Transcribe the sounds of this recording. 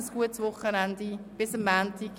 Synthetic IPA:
sɡ̥uətsʋʊχːənɛndib̥ɪsəmːæːnti

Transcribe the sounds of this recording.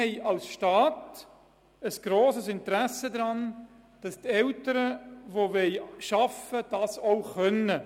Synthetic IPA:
ɛɪɑlsʃtɑːt | əsɡ̥ɾoːsəsɪntəɾæsəd̪ɾɑn | d̥ɑstɛltəɾəvovɛɪʃɑfəd̥ɑːsoʊχœnə

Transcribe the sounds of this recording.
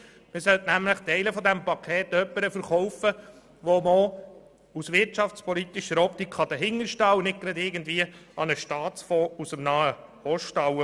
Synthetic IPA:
mɪsœltnæmləχt̪ɛɪləfɔd̪ɛmpɑkʰɛːt̪œpːəɾəfəɾχɔwfə | ʋɔmo | usʋɪɾtt͡ʃɑft͡spɔlit̪iʃəɾɔpt̪ikʰχɑd̪əɦɪŋəɾʃtɑwnɪk̚ɡɾɛd̪ɪɡənd̪viːəɑnəʃtɑːtt͡sfɔːusəmnɑːəhɔʃtɑw

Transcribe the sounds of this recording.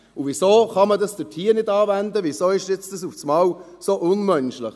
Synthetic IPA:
uvisoːχɑmədɑsd̥ətʰiːɾnɪdɑːvændəʋisoːɪʃjɛt͡stəsufsmɑːw | soʔʊnmœnʃlɪχ

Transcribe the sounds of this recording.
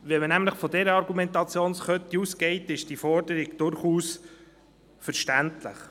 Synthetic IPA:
ʋɛmənæmləχfɔdɛɾəɑɾɡumɛnt̪ɑt͡sjoːnsχœt̪iuːskɛɪt̪ɪʃd̥ifɔɾdəɾɪɡd̥ʊɾχuːs | fəɾʃtæntlə̰χ

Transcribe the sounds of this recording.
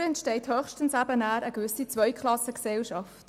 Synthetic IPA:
ɛntʃtɛɪthœχʃtən̩sæbənæːɾəɡvʏsit͡sʋœʏkʰlɑsəksɛlʃɑft

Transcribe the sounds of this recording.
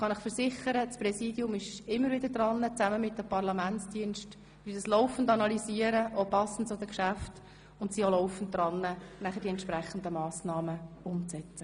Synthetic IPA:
χɑnɪχfəɾsɪχəɾəsprɛsiːdjʊmɪʃɪmːəɾvɪd̪əɾd̥ɾɑnːət͡sæməmɪt̚dəpɑrlɑmænt͡sd̥iənʃt | ʋyd̥ɑslɔʊfn̩dɑnɑlisiəɾəʔopɑsn̩tt͡sod̪əkʃæft | ʊntsiolɔʊfən̩t̚dɾɑnːənæχədiɛntʃpræχən̩d̪əmɑːsnɑːməʊmt͡sɛt͡sə

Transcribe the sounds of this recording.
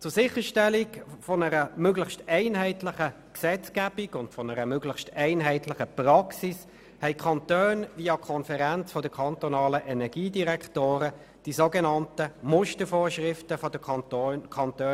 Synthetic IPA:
t͡sʊsɪχəʃtɛlikfɔnəʁəmøɡləxstɛɪnɦɛɪtlɪχə | ksɛt͡skæb̥ikʊntfɔnəʁəmøɡləχʃtɛɪnɦɛɪtlɪχəpʁɑksis | hɛɪkʰɑnt̪øːnviːɑkʰɔnfɛʁænt͡sfɔd̥əkʰɑnt̪ɔnɑːləʔɛnɛɡ̥iːdiʁɛktoːʁə | d̥isoɡenɑntəmʊʃtəfoːʃʁɪftəfɔd̥əkʰɑntøː

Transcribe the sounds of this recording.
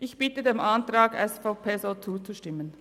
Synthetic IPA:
ʔɪçb̥ɪtədeːmantraːɡɛsfaʊpʰeːzoːt͡suːt͡suʃtɪmən

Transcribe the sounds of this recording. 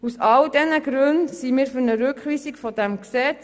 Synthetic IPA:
usɑldɛnəɡɾʉndsimiːɾfynəɾʉkχʋiːsiɡfɔdæmksɛt͡s

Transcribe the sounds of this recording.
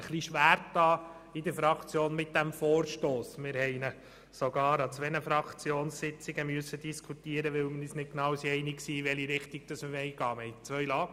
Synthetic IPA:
əχliʃʋæːɾtːɑː | ɪd̪əɾfɾɑkʰt͡sjoːnmɪt̚d̥̪æmfoːɾʃtoːsmɪɾhɛɪnə | soɡɑːɾɑt͡sʋɛnəfɾɑkt͡sjoːnssɪt͡sɪɡəmyəsːəd̥̪iskʰut̪iːəɾəʋɪwmənisnɪtknɑːwsiɛɪniksiːʋɛliɾɪχt̪iɡ̥̚d̥ɑsməɛɪɡ̥ɑːmɛjt͡sʋœjlɑː

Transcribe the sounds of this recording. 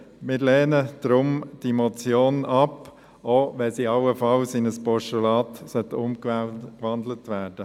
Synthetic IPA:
mɪːɾlɛːnəd̥ɾʊmd̥imɔt͡sjoːnɑp | oːʋɛsiɑʊəfɑlsɪnəspɔʃɛlɑːtsœtʊmkʋɑnd̪lətʋæːɾd̥ə

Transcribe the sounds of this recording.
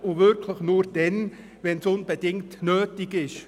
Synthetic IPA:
uvɪɾkʰləχnuːɾd̥ɛn | vɛnsʊnbɛd̥ɪŋtnøːtɪɡɪʃ

